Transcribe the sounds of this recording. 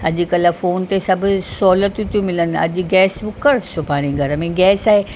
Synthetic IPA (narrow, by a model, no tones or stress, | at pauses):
ɐʄɪ̆kɐlfoːnt̪esɐbʱʊ̆sɔːlət̪ũt̪ʰijũmɪlənɪ̆ɐ̰ʄʊ̆ɡɛːsbʊkəɾt͡ʃʰopaːɽ̃iɡʱɐɾəmẽɡɛːsaːɦe